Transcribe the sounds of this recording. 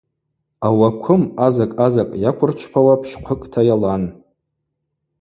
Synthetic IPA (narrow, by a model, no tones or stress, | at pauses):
awakʷʰʊmazakʼazakʼjakʷʰʊrt͡ʃʷʰpʰawapʰʃqʷʰəkʼtʰajalan